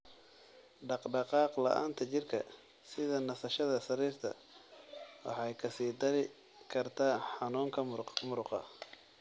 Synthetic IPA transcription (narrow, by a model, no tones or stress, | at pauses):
ɖɑqɖɑqɑːqlɑ̰ʔa̰ːnt̪ʰɐt͡ʃɪrkʰɐ | sɪðɐnɐsɐʃɐðɐsɐɾiːrt̪ʰɐ̰ | wɑ̰ħɑjkʰɐsiːd̪ɐlɪ | kʰɐrt̪ʰaːħɑnuːŋkʰɐmrmʊɾqɑ̰